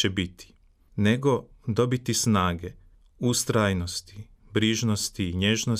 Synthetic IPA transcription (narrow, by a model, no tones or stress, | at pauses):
ebit̪ʰi̥ | ne̞ɡo̞d̪o̞bit̪isnaːɡe | ust̪ɾajno̞st̪i̥ | bɾiːʒnost̪iːɲeʒno